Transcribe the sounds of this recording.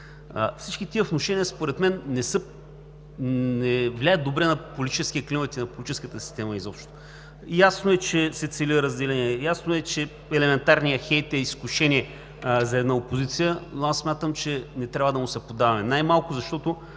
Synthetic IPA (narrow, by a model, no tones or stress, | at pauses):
ə̰fsit͡ʃkit̪iəvnoʃɛnijəspoɾɛt̪mɛnːɛsɤ | nɛvlʲajəd̪obɾɛnɐpolʲit̪i̥t͡ʃɛskʲit̪əklimət̪inɐpʊlʲit̪it͡ʃɛskət̪əsi̥st̪ɛmɐizɔpʃt̪t̪o | jasnʊɛt͡ʃɛsɛt̪sɛliəɾəzd̪ɛlɛniɛjasnoɛt͡ʃɛ | ɛlɛmɛnt̪aɾnijəxɛjt̪ɛiskuʃɛniɛ | zɐɛd̪naopozit̪sijənoasːmʲat̪əmt͡ʃɛnɛt̪ɾʲabvəd̪ɐmʊsɛpod̪avɐmɛnajmalˠkʊzɐʃt̪ɔt̪ʊ